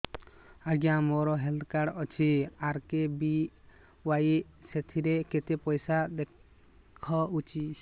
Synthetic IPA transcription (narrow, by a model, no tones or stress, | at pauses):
aɡjãmoɾɔɦeld̪kaɽɔt͡ʃʰiaɾkebi | waj | set̪ʰiɾeket̪epɔjsad̪e | kʰɔut͡ʃi